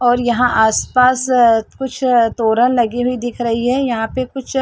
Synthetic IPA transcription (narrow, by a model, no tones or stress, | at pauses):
ɔːɾjɐɦãʔaːspaːskʊt͡ʃʰt̪oːɾənlɐɡiɦuid̪ɪkʰɾɐɦiɦɛːjɐɦãpekʊt͡ʃʰ